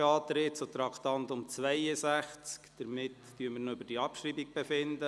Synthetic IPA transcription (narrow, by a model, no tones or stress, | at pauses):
ɑːt̪ɾɪtsot̪ɾɑkt̪ɑnt̪ʊmt͡sʋɛɪjəsæχt͡skd̪̥əɾmɪt̪ | tyːəmɪɾnoʏbəɾd̥iɑpʃɾiːbik̚b̥ɛfɪnd̪ə